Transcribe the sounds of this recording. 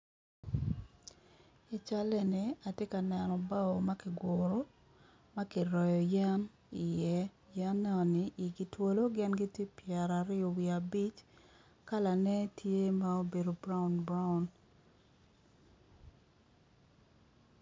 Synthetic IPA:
i˨t͡ʃa˦lɛ˦nɪ˨a˨te˦ka˨nɛ˨nɔ˨ba˦o˨ma˦kɪ˨ɡwʊ˨ɾo˦ | ma˦ki˨ɾɔ˨jɔ˨ja˦m | i˨jɛ˦ | ja˦mnnɛ˦ɔ˨nɪ˦ʔi˨ɡi˨two˦lo˦ɡɪ˦nɡi˦tje˦pjɛ˨ɾa˨ɾɪ˦ɔ˨wi˨a˨bi˦t͡ʃ | ka˦la˨nɛ˦tʰje˦ma˦o˦be˨do˨bɾa˦u˨nbɾa˦u˨n

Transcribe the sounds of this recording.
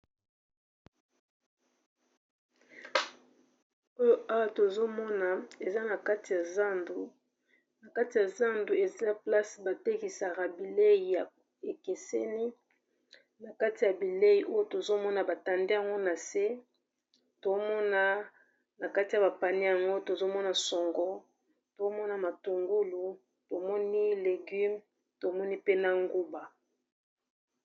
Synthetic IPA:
o˦jo˦a˦wa˦to˨zo˦mɔ˦na˨e˨za˦na˨ka˦ti˨ja˨za˦ndu˨ | na˨ka˦ti˨ja˨za˦ndu˨e˨za˦pla˦sba˨te˦ki˨sa˨ɣa˨bi˨le˦i˨ja˨ | e˨ke˨se˦ni˦ | na˨ka˦ti˨ja˨bi˨le˦i˨ʔo˦jo˦to˨zo˦mɔ˦na˨ba˨ta˨nde˦ja˨ŋɡo˦na˨se˦ | to˨˦mɔ˦na˦ | na˨ka˦ti˨ja˨ba˨pa˨ni˦ja˨ŋɡo˦to˨zo˦mɔ˦na˨sɔ˨ŋɡɔ˦ | to˨˦mɔ˦na˨ma˨tu˨ŋɡu˦lu˨ | to˨mɔ˦ni˦le˨ɡy˦m | to˨mɔ˦ni˦pe˦na˦ŋɡu˦ba˨

